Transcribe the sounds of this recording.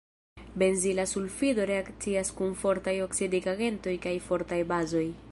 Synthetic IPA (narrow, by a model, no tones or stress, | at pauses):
be̞nzilasulfido̞ɾe̞akt͡siaskunfo̞ɾtajo̞ksidiɡaɡe̞nto̞jkajfo̞ɾtajbazo̞j